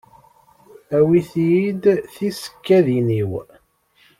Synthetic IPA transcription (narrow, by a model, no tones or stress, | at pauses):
æwiθjid̪θisə̥kːæðiniw